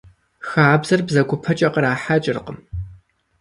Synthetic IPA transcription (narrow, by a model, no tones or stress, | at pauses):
xaːbz̥ɐrbzɐkʷʰʼʊpʰɐt͡ʃʼɐqəɾaːħat͡ʃʼɪrqəm